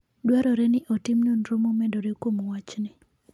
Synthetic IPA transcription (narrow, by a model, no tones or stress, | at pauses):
dwaɾɔɾenɪʔotɪmnonɾomomɛndoɾekomowat͡ʃnɪ